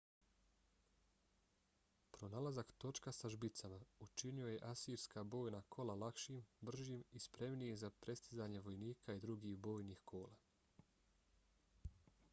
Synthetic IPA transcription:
pɾo̞naːlazakt̪o̞t͡ʃkasaʒbit̪samaut͡ʃinio̞je̞ʔasiːɾskabo̞ːjnakʰo̞lalˠakʃiːmbr̩ʒiːmispɾe̞mnijezapɾe̞st̪izaːɲe̞ʋo̞jniːkʰaid̪ɾuɡiːɣbo̞ːjniːxkʰo̞ːla

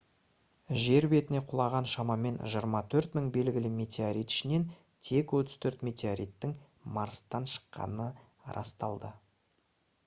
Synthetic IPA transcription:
ʒe̞ɾbe̞t̪ɪne̞qʰʊlˠɑʁɑnʃɑmɑme̞nʒəəɾmɑt̪ʰɵɾt̪mɪŋbe̞lɡʲɪlɪme̞t̪ʲeoɾijt̪ɪ̥ʃɪne̞n | t̪ʰe̞kwot̪əz̥t̪ʰɵɾt̪me̞t̪ʲeoɾijt̪ːɪŋ | mɑɾst̪ɑnʃə̥qːɑ̰nə | ɾɑ̰st̪ɑlˠd̪ə

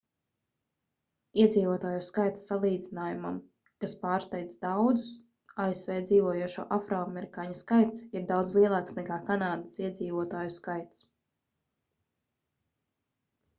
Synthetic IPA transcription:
iɛd̪ziːvuɔt̪aːjuskajt̪sːalˠiːd̪zinaːjuma̰m | kaspaːɾst̪ɛjt̪sd̪awd̪zu̥s | aesvɛːd̪ziːvuɔjuɔʃṵːʔafɾɔamʲɛɾikaːɲaskajt̪siɾd̪awd̪zlˠiɛlˠaːksnɛkaːkanaːd̪əsiɛd̪ziːvuɔt̪aːjuskajt̪s

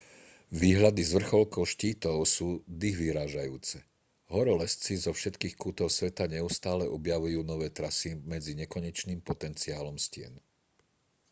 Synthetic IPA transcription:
ʋiːɦʎad̪izʋr̩xɔlkɔʊʃciːt̪ɔʊsuːd̪iɦʋiɾaːʒajuːt͡sɛ | ɦɔɾɔlɛst͡sizɔfʃɛt̪kiːxkuːt̪ɔʊsʋɛt̪aɲɛust̪aːlɛʔɔbjaʋujuːnɔʋɛːt̪ɾasimɛd͡ziɲɛkɔɲɛt͡ʃniːmpɔt̪ɛnt͡siaːlɔmscɪɛ̰n

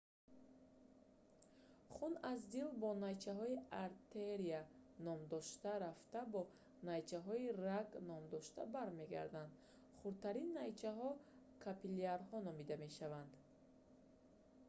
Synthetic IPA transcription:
χunazd̪ilbɔnajt͡ʃʰaɦɔiaɾt̪ʰeɾianɔmd̪ɔʃt̪aɾaft̪abɔ | najt͡ʃʰaɦɔiraɡnɔmd̪ɔʃt̪a̰baɾme̞ɡa̰ɾd̪and̪ | χuɾt̪ʰaɾinːajt͡ʃʰaɦɔ | kʰapiliaɾɦɔnɔmid̪ame̞ʃavand̪

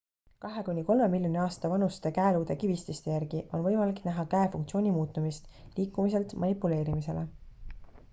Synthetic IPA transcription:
kɑɦe̞kunʲːiko̞lme̞milʲjonʲiɑːst̪ɑvɑnust̪e̞kæeluːd̪ekivist̪ist̪e̞jæɾɡiʔo̞nvɤjmɑliknæɦɑkæefuŋk̚t̪sio̞ːnʲimuːt̪ːˑumist̪liːkːˑumis̬e̞lt̪mʔɑnʲipːˑule̞ːɾimise̞̰le

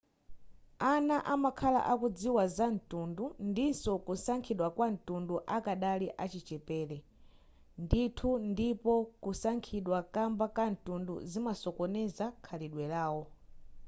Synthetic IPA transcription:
anaʔamakʰala̰ʔakud͡ziwazan̩tundundinsɔkusaŋkʰiɗwakwan̩tunduʔakaɗaliʔat͡ʃit͡ʃɛpɛːlɛ | nditʰundipɔkusaŋkʰiɗwakambakan̩tundṵzimasɔkɔnɛzakʰaliɗwɛlaːwɔ

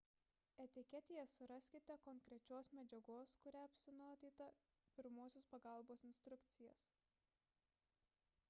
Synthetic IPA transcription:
ɛt̪ʲɪkʲɛt̪ʲejɛsʊɾɐsʲkʲɪt̪ʲɛkɔŋkɾʲɛt͡ʃʲoːsmʲɛd͡ʒʲɛɡoːskʊɾʲæɐpʲsʲɪnoːt̪ʲiːt̪ɐ | pʲɪɾmoːsʲoːspɐɡɑˑlˠboːsɪnʲsʲt̪ɾʊkt̪sʲɪjɛs

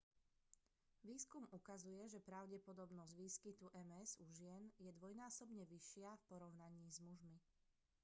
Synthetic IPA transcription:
ʋiːskumukazujɛʒɛpɾaʊɟɛpɔd̪ɔbnɔzɟʋiːskit̪uʔɛmɛzuʒɪɛnjɛd̪ʋɔjnaːsɔbɲɛʋiʃɪafpɔɾɔʊnaɲiːzmuʒmi

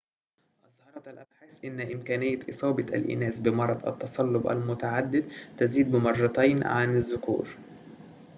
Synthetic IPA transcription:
ʔɑzˤhɑɾˤɑælʔæbħasʔɪnːʔɪmkæːnɪjːæʔɨsˤɑːbɑt̪ʔæ̰lʔɪ̰næːsbɪmɑɾˤɑd̪ˤʔæ̰t̪ːɑsˤɑlːʊbʔæ̰lmʊt̪aʕad̪ːɪd̪t̪æziːd̪̚bɪmɑrˤːɑt̪æːnʕanɪzːʊkṵːɾ

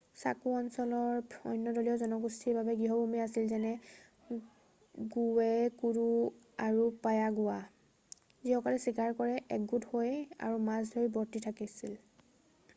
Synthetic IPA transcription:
sakuɔnsɔlɔɹɔjnːɔdɔliɔzɔnɔɡustʰiɹbabɛɡiɦɔbʱumɛasilzɛnɛ | ɡuwɛkuɹu | aɹupajaɡʊwa | ziɦɔkalɛsikaɹkɔɹɛʔɛkɡuthoja̰ɹumazdʱojbɔɹtitʰakisil

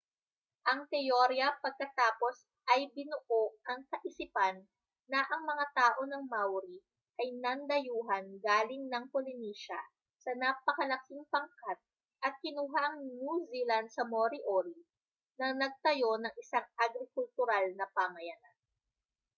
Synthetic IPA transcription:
ʔɐŋt̪ɛjoɾjɐpɐɡ̚kɐt̪aːpo̞s | ʔɐjbɪnʊʔoʔɐŋkɐʔɪsipanː | ɐʔɐŋmɐŋat̪aːʔo̞nɐŋmawɾi | ʔɐjnɐnd̪ɐjuːɦɐnɡaːlɪŋnɐŋpolɪniːʃɐ | sɐnapɐkɐlɐkɪŋpɐŋkat̪̚ | ʔɐt̪̚kɪnuːɦaʔɐŋnuːzilɐnsɐmoɾiʔoɾi | nɐnɐɡ̚t̪ɐjo̞nɐŋɪsaŋʔɐɡɾɪkʊlt̪ʊɾalnɐpamɐjanan

